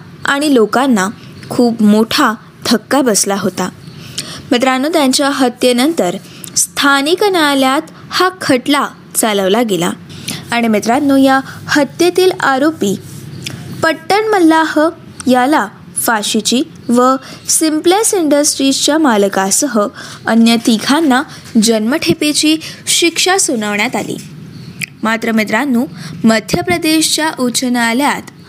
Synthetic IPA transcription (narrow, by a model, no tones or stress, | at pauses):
aɽ̃ilokanːa | kʰuːpmoʈʰa | d̪ʱəkːabəslaɦot̪a | met̪ɾanːuːt̪jaɲt͡ɕjaɦət̪jenənt̪əɾ | st̪ʰaniknaljat̪ | hakʰəʈla | t͡saləʋlaɡela̰ːɽ̃imet̪ɾat̪nuːjahət̪jet̪iːlaɾopi | pəʈːəɳməlːahə | jala | faɕit͡ɕiː | ʋəsimplesiɳɖəsʈɾist͡ɕjamalkasəɦəənjət̪iɡʱʰanːa | d͡ʑənməʈʰepet͡ɕiːɕikʂasonaʋɳjat̪alḭː | mat̪ɾəmet̪ɾanːuːməd̪ʱjəpɾəd̪eɕt͡ɕjaʔut͡ɕənaːljat̪